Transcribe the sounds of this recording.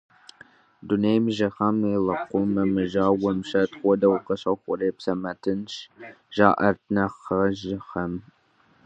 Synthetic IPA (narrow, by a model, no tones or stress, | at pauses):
dunejmɨʒɐχɐmilɐqʷʊmɐmɨʒaːwɐmɕɐtχʷɔdɐwqɐɕɐxʷʊreːpsɐmɐtʰɨnʃ | ʒ̥a̰ːʔɐrtʰnɐχɐʒɪxɐm